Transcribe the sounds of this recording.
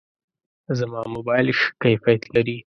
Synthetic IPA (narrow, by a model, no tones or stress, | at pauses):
zamɑmobɑjlʃkajfaat̪laɾi